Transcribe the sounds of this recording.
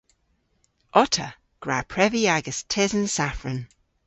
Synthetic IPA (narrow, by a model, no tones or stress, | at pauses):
ɔtʰə | ɡ̥ɹaːpʰɹɛviaɡəstʰɪzənsafɹən